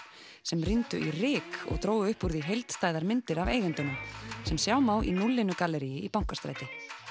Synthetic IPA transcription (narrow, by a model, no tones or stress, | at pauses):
sɛmrint̪ʏ̰ʔirɪːkɔ̰ɣt̪ʰɾoːwɣʏʏhpuɾðiɦejlt̪st̪aːjðaɾmɪnt̪ɪɾaveːjɣʏnt̪ɪnʏmsɛmsjaːwmaːwʔḭnulːɪnʏkalɛɾijɪipawŋ̥kḁst̪ɾa̰jt̪ɪ